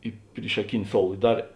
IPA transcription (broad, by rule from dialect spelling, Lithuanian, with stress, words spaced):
ɪ pʲrʲiːʃɐˈkʲɪnʲɪ ˈsoːʊlˠ ɪ ˈdɐr